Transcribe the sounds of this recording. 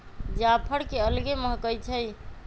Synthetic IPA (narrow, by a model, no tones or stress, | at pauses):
d͡ʒapʰəɽkeəlɡeməɦkəjt͡ʃʰəj